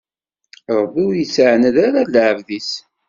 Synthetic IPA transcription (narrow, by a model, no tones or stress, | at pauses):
ɾˤəbiwjəsəʕnəðaɾaləʕəvðis